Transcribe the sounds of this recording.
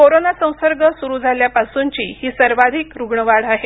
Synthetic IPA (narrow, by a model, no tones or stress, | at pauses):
koɾonasə̃w̃səɾɡəsuɾuːd͡zʱaljapasuɲt͡ɕiːhiːsəɾʋad̪ʱikɾuɡɳəʋaɽaɦe